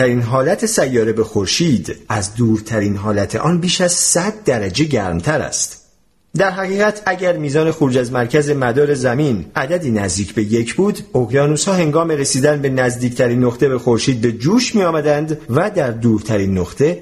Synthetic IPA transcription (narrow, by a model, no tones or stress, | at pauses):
æɾiːnɦɒːlæt̪ʰe̞sæjːɒːɾe̞be̞xoɾʃiːd̪æzd̪uːɾt̪ʰæɾiːnɦɒːlæt̪ʰe̞̰ʔɒːnbiːʃæz̥sæd̪̚ːæɾæd͡ʒe̞ɟæɾmt̪ʰæɾæ̰st̪ | d̪æɾɦæɣiːɣæt̪ʰæɟæɾmiːzɒːne̞xoɾuːd͡ʒæzmæɾcʰæze̞mæd̪ɒːɾe̞zæminæd̪æd̪iːnæzd̪iːcʰbe̞je̞cʰbuːd̪oɣjɒːnuːshɒːhe̞ŋɡɒːme̞ɾe̞siːd̪ænbe̞næzd̪iːct̪ʰæɾiːnːoχt̪e̞be̞xo̞ɾʃiːd̪̚be̞d͡ʒuːʃmijɒːmæd̪ænd̪væd̪æɾd̪uːɾt̪ʰæɾiːnːoχt̪ʰe̞